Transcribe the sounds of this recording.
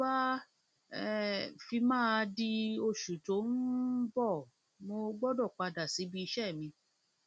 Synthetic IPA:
a˦˨ | fi˧mãː˦˧di˧o˧ʃu˨to˨˦n̩˦bɔ˦˨ | mo˧ɡ͡bɔ˦dɔ˦˨k͡pa˧da˨si˨˦bi˧i˧ʃɛ˦˨mĩ˧

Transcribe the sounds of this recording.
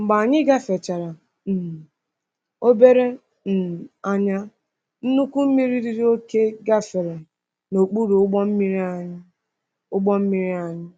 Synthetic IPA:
m̩˨ɡ͡ba˨ɲɪ˦ɡa˦fe˨t͡ʃa˨ɾa˨ | m̩˦˨ | o˦be˦ɾe˦ | n̩˨a˦ɲa˦ | n̩˦nu˦ku˦m̩˦mi˦ɾi˦ɾi˦ɾi˦o˦ke˦ɡa˦fe˨ɾe˨ | no˨k͡pu˦ɾo˨˦ɡ͡bɔ˦m̩˦mi˦ɾɲ˦ | ʊ˦ɡ͡bɔ˦m̩˦mi˦ɾi˦a˨ɲɪ˦

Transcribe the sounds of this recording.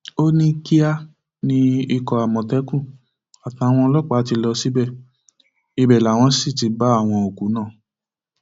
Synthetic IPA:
o˦nĩ˦ki˦a˦ | nĩ˧i˧kɔ˨a˨mɔ̃˨tɛ˨˦kũ˦˨ | a˨tã˧˦˧w̃ɔ̃˧ɔ˧lɔ˦k͡pa˨˦ti˧lɔ˧si˦bɛ˦˨ | i˧bɛ˨la˨w̃ɔ̃˧˦si˦˨ti˨˧ba˦a˦˨w̃ɔ̃˧o˨ku˨˦nãː˦˨

